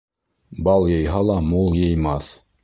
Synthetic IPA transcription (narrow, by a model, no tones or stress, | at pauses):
bɑlˠjɤ̆jɦɑlˠɑmulˠjɤ̆jmɑθ